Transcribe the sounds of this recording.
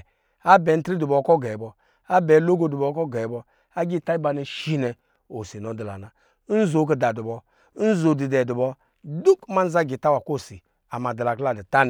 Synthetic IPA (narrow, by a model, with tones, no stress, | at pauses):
a˦bɛ˨n̩˦tɾi˦du˨bɔ˨˦kɔ˦ɡɛ˨bɔ˨ | a˦bɛ˨˦lo˦ɡo˦du˨bɔ˨˦kɔ˦ɡɛ˨bɔ˦ | a˦ɡi˦˨ta˦i˦ba˧ni˨ʃi˦nɛ˨ | o˨si˨n˨o˨˦di˨la̰˨na˨˦ | n̩˦zo˨˦k̬i˨da˨du˨bɔ˨˦ | n̩˦zo˨di˨dɛ˨du˨bɔ˦ | du˦kma˦n̩˦za˦ɡi˨ta˦wa˨ko˦˨si˨ | a˨ma˨di˨la˨kla˦˨di˨ta˦n˨